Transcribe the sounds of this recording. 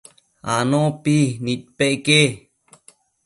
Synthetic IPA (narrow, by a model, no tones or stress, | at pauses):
a̰nopinit̪̚peʔke